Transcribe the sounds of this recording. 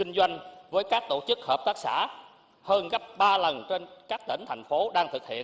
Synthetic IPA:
kï˧ŋ̟zwa˧jŋ̟vəː˨˦jkaː˦˥k̚t̪o˧˩t͡ɕɨ˦˥k̚həː˨˩p̚t̪aː˦˥k̚sa̰ː˧˥ | həː˧nɣə˦˥p̚ɓaː˧lə˨˩nt͡ɕe˧nkaː˦˥k̚t̪ḭ˧˩ŋ̟t̪ʰa˨˩jŋ̟fo˨˦ɗaː˧ŋt̪ʰɨ˨˩k̚hḭ˧˨ən

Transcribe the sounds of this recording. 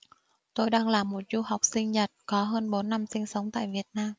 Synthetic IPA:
t̪o˧jɗaː˧ŋlaː˨˩mːo˨˩t̚zu˧ha˨˩wk͡p̚sï˧ŋ̟ɲə˨˩t̚kɔ˨˦ɦəː˧nɓo˨˦nːa˧msï˧ŋ̟sə˨˦wŋ͡mt̪a̰ː˧˨jvi˨˩ət̚naː˧m

